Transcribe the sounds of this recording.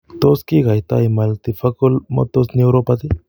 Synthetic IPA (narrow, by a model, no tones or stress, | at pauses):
t̪oskiɡajt̪a̰jmɐlt̪ifʰɐkolmo̰t̪ːosniɾopat̪i